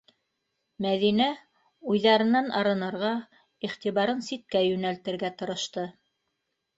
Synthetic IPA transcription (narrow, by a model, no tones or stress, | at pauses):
mæðinæ | ujðɑɾɤ̆nɑnɑɾɤ̆nɤ̆ɾʁɑ | iχt̪iβɑɾɤnsit̪̚kæjʉnælt̪ɘ̆ɾɡæt̪ŏɾɤ̆ʃt̪ɤ